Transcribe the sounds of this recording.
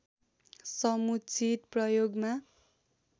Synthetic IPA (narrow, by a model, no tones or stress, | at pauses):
sʌmut͡sʰit̪prʌjoɡma